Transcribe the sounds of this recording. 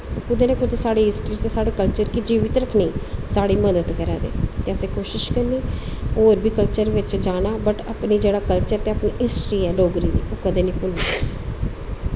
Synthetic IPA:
okʊd̪ẽːnẽːkʊd̪esaːɽiːɦɪsʈɾiːt̪eːsaːɽeːkəlt͡ʃəɾkid͡ʒiːʋɪt̪ɾəkʰniːsaːɽiːməd̪ət̪kəɾaːd̪ḛːt̪eəsẽːkoːʃɪʃkəɾniːoːɾbʱiːkəlt͡ʃəɾʋɪt͡ʃd͡ʒaːnaːbəʈəpniːd͡ʒeːɽaːkəlt͡ʃəɾt̪eːəpniːɦɪsʈɾiːɛːɖoːɡɾiːd̪ḭːoːkəd̪eːniːpʊlni

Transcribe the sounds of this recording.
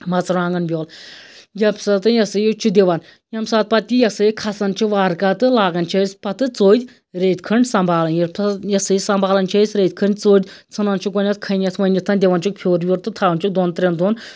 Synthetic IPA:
mɐt͡sɾaːŋɡɐnbʲoːl | jɐpʲʰsɐt̪ɨjɐsɨjut͡ʃʰid̪ʲiʋan | jɐmsaːt̪̚pɐt̪ʲijɐsɐjikʰɐsɐnt͡ʃʰiʋaːɾkaːt̪ɨlaːɡɐnt͡ʃʰɐjspɐt̪ɨt͡soːjd̪ʲ | ɾeːd̪kʰɐɳɖʲsɐmbʱaːlɐnjɐpjɐsɨjsɐmbaːlɐnt͡ʃʰɐisʲɾeːd̪̚kʰɐɳʲt͡soːd̪ʲt͡sʰɨnɐnt͡ʃʰikɔnʲjɐt̪̚kʰɐjnʲjɐt̪ʰʋɐnʲit̪ʰɐnd̪ʲiʋɐnt͡ʃʰuk̚pʰjoːɾjuɾt̪ɨt̪ʰaːʋɐnt͡ʃuk̚d̪oːnt̪ɾend̪oːn

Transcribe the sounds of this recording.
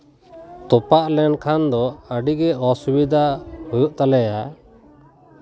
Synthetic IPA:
t̪ɔpaʔlɛnkʰand̪ɔəɖiɡɛɔsubid̪ʱahujuʔt̪alɛja

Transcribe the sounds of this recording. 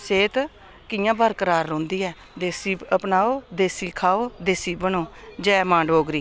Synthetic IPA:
seːt̪ | kɪjãːbəɾkəɾaːɾːõːnd̪iːɛː | d̪eːsiːəpnaːoːd̪eːsiːkʰaːoːd̪eːsiːbənoːd͡ʒɛːmãːɳɖoːɡɾiː

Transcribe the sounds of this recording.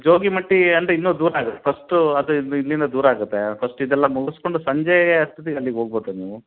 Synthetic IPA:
d͡ʒo̞ːɡimɐʈːiɐnd̪ɾeinːoːd̪uːɾɐaːɡut̪ːepʰɐsʈuɐd̪uilːind̪ɐd̪uːɾɐaːɡut̪ːe̞pʰɐsʈid̪ɛlːɐmuɡuskoɳɖusɐɲd͡ʒɐjɐɡeɐst̪ɐt̪ikɐlːiɡɦoːɡ̚bɐːd̪uniːʋu

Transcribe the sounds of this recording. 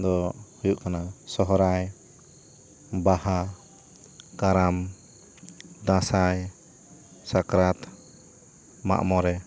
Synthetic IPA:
d̪ɔhujuʔkanasɔɦɔɾaj | baha | kaɾam | d̪asaj | sakɾat̪ | ma̰ʔmɔɾɛ

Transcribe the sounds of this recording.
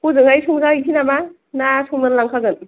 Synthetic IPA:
kuzɯŋajsuŋzajkʰinama | nasuŋnaɾlaŋkʰaɡɯn

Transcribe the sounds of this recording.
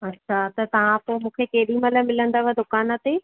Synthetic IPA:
ɐtːɕʰat̪ɐt̪ɐʋ̤ãpomũːkʰekɐɦɪɗimɐləmɪlə̃nd̪aːʋɐd̪ʊkaːnət̪e

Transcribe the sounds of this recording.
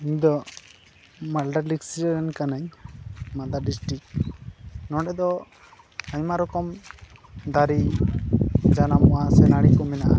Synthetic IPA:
iɲd̪ɔ | malɖaɾliksiɾɾɛnkanaɲmad̪aɖisʈɾik̚ | nɔ̃ɖɛd̪ɔ | aɲmaɾɔkɔm | d̪aɾi | d͡ʒanamɔwasɛnaɽikɔmɛnaʔa̰

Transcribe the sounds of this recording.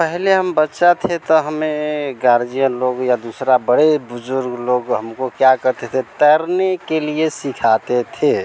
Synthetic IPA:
pəɦleɦəmbətːʃat̪ʰet̪ɔɦəmẽɡaɾd͡ʒijənloɡjad̪usɾabəɽebʊzʊɾɡloɡɦəmkokjakəɾt̪et̪ʰet̪əɾnekeliesikʰat̪et̪ʰe

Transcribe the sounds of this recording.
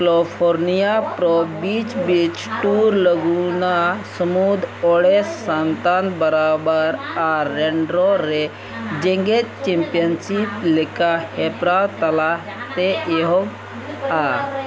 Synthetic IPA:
klopʰoɾnijapɾɔbit͡ʃbit͡ʃʈuɾləɡunasəmud̪ʱoɽessant̪anbəɾabəɾaɾeɳɖɾoɾe | d͡ʒẽŋɡet͡ʃempijənsiplekahepɾawt̪ɐla | t̪eeɦoʋ | a

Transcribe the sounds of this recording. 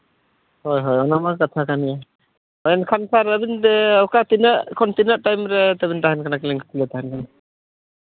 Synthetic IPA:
hɔjɦɔjɔnamakat̪ʰakanija | ɔɛnkʰansaɾəbind̪ɛawkat̪inaʔkʰɔnt̪inaʔtajmɾɛt̪aβint̪ahankʰanakilɛŋkʰtʰilat̪aɦankʰana

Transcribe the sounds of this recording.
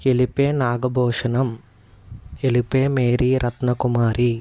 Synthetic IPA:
elipeːnaːɡɐbʱoːʂɐnɐm | elipeːmeːɾiɾʔɐt̪nɐkumaːɾi

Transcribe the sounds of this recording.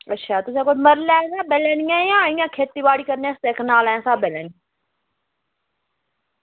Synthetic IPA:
ətːʃʰaːt̪ʊs̬ẽːkod͡ʒməɾlãːsaːbelɛniːãːjãːĩjãːkʰeːt̪iːbaːɽiːkəɾneãst̪eːkʰnaːlɛ̃ːsaːbelɛni

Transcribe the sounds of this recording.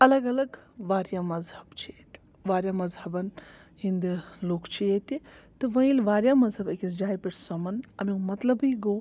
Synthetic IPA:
ɐlɐɡɐlɐɡʋaːɾjamɐzhɐbt͡ʃʰijet̪i̥ | ʋaːɾjaːmɐzhɐbɐn | hind̪ɨloːkt͡ʃʰijet̪it̪ɨʋɐ̃jilʋaːɾjamɐzɦɐbɐkisd͡ʒaːjpiʈsɐmɐnɐ̰mikmɐt̪lɐbɨɡoː

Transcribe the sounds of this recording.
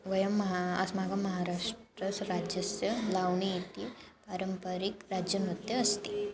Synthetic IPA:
ʋəjəmːɦa̰smaɡamːəɦaɾaʂʈɾəsɾad͡ʑjəsjəlawɳiːt̪i | paɾəmpəɾikɾad͡ʑjəmɾət̪jəːst̪i

